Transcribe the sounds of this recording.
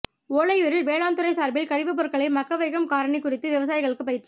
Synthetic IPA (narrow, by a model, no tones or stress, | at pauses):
oːlɐɪjɯɾɪlʋeːɭaːnt̪ɯɾɐɪsaːɾbɪlkɐɽɪʋɯp̬ɔɾɯkːɐɭɐɪmɐkːɐʋɐɪɣɐmkaːɾɐɳɛɪkːʊrɪt̪ːɯʋɪʋɐsaːjɪɣɐɭɯkːɯpːɐjɪʈrɐ